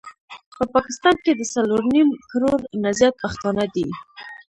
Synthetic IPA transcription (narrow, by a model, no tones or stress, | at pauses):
pəpɑkɪ̥st̪ɑnked̪əsaloɾnimkɾoɾnazjat̪̚paxt̪ɑnad̪i